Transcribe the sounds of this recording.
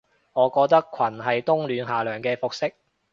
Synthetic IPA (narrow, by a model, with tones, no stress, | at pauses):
ŋɔː˨˧kɔː˧k̚t̪ɐ˥kʷʰɐ˨˩nɦɐ˨jt̪ʊ˥ŋlyː˨˧nɦaː˨˩lœː˨˩ŋkɛː˧fʊ˨k̚sɪ˥k̚